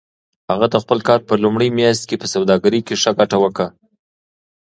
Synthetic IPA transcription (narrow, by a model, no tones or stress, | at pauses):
haɣad̪əxpəlkɑɾpəlumɽəjmjɑs̬t̪̚kepəsawd̪ɑɡaɾikeʂəɡaʈawəkɽa